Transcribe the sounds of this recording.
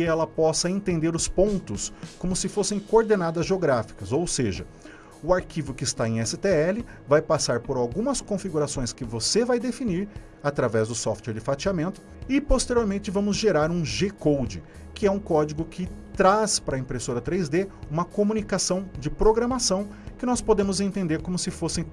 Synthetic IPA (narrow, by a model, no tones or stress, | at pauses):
kɪɛlɐpɔsɐẽt̪ẽnd̪eɾʊspõnt̪ʊskõmʊsɪfosẽj̃koːɾd̪enad̪ɐzʒeoɡɾafi̥kɐzowseʒɐ | ʊaɾkivʊkɪɪst̪aẽj̃ɛsɪt̪eɛlɪvajpasaɾpoɾawɡũmɐskõfiɡuɾasõj̃skɪvosevajd̪efiniɾ | at̪ɾavɛzd̪ʊsɔft̪eɾd͡ʒɪfat͡ʃiamẽnt̪ʊ̥ | ɪpost̪eɾioɾmẽnt͡ʃɪvɐ̃mʊzʒeɾaɾũʒekowd͡ʒɪ | kɪɛũkɔd͡ʒiɡʊkʰɪt̪ɾaspaɾɐẽpɾesoɾɐt̪ɾejzd̪eũmɐkomũnikasɐ̃w̃d͡ʒɪpɾoɡɾɐ̃masɐ̃w̃ | kɪnɔspod̪ẽmʊzẽnt̪ẽnd̪eɾkõmʊsɪfosẽj̃